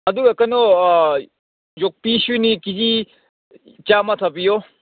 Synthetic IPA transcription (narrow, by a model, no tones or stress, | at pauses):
ɐduɡɐkɐnɔ | jok̚pisunikizi | t͡ʃamat̪ʰɐpijo